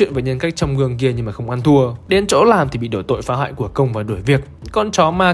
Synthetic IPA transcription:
wḭ˧˨nvaː˨˩ɲə˧nka˦˥jk̟̚t͡ɕɔ˧wŋ͡mŋɨ˧əŋki˧əɲɨ˧ŋmaː˨˩xə˧wŋ͡mʔa˧nt̪ʰu˧əɗe˨˦nt͡ɕo̰˧˥laː˨˩mt̪i˨˩ɓḭ˧˨ɗo˧˩t̪o̰˧˨jfaː˨˦ɦwa̰ː˧˨jku˧˩əkə˧wŋ͡mvaː˨˩ɗu˧˩əjvi˨˩ək̚kɔ˧nt͡ɕɔ˨˦maː˧

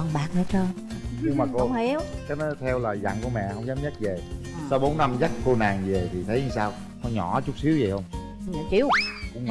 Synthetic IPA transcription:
nɓa̰ː˧˨n̚əː˨˦t͡ɕə˧ | ɲɨ˧ŋmaː˨˩ko˧˦ŋ͡mhi˨˦wkaː˨˦jnɔ˨˦t̪ʰɛ˧wlaː˨˩jza̰˧˨nŋku˧˩əmɛ̰˧˨hə˧wŋ͡mzaː˨˦mɲə˦˥t̚ve˨˩ | sa˧wɓo˨˦nːa˧mza˦˥t̚ko˧naː˨˩ŋve˨˩t̪ʰi˨˩t̪ʰə˨˦jsaː˧w | nɔ˧˦ɲɔ̰˧˩t͡ɕʊ˦˥k͡p̚si˨˦əwzə˨˩hə˧wŋ͡m | t͡ɕi˧˦wkʊ̰˧˥ŋ͡m

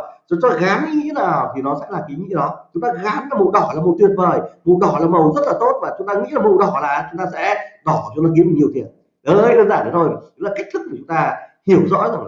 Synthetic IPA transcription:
t͡ɕɔ˨˦t͡ɕɔː˧ɣaː˨˦mɲḭ˧ŋḭ˧˥naː˨˩wwt̪ʰi˨˩nɔ˨˦sɛ̰˧˥laː˨˩ki˨˦ŋḭ˧˥ɗɔ˨˦t͡ɕʊ˨˦ŋ͡mt̪aː˧ɣaː˨˦mla˨˩mṵ˧˨ɗɔ˨˩laː˨˩mə˨˩t̪wi˧˩ən̚vəː˨˩jvṵ˧˨ɗɔ˨˩laː˨˩mə˨˩wzə˦˥t̚laː˨˩t̪o˦˥t̚vaː˨˩t͡ɕʊ˨˦ŋ͡mt̪aː˧ŋḭ˧˥laː˨˩vṵ˧˨ɗɔ˧˩laː˨˩˨t͡ɕʊ˨˦ŋ͡mt̪aː˧sɛ̰˧˥ɗɔ˨˧˩t͡ɕŋ͡mt̪aː˧ki˨˦ə˦mɨ˨˩ɲi˩ət̪ʰi˨˩ən | ɗəː˨˧˦jɗəː˧nzaː˧˩t̪ə˨˦t̪ʰo˧jɨ˨˦laː˨˩ka˦˥k̟̚t̪ʰɨ˦˥k̚ku˧˩t͡ɕʊ˨˦ŋ͡mt̪aː˧hi˧˩əwzɔ̰˧˥jɲaː˨˩˨

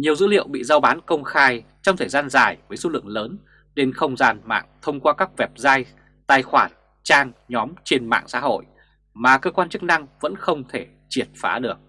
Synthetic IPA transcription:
ɲi˨˩əwzɨ̰˧˥lḭ˧˨əwɓḭ˧˨zaː˧wɓaː˨˦nkə˧wŋ͡mxaː˧jt͡ɕɔ˧ŋ͡mt̪ʰəː˨˩zaː˧nzaː˨˩jvəː˨˦jso˨˧lɨ̰˧˨əŋləː˨˦n | ɗe˧nxə˧wŋ͡mzaː˧nma̰ː˧˨ŋt̪ʰə˧wŋ͡mkwaː˧kaː˦˥k̚vɛ˨˩p̚zaː˧j | t̪aː˧˩jxwaː˧˩n | t͡ɕaː˧ŋɲɔ˨˦mt͡ɕe˧nma̰ː˧˨ŋsa̰ː˧˥ho̰˧˨j | maː˨˩kəː˧kwaː˧nt͡ɕɨ˦˥k̚na˧ŋvə̰˧˥nxə˧wŋ͡mt̪ʰe˧˩ | t͡ɕi˧˩ət̚faː˨˦ɗɨ˨˩ək̚

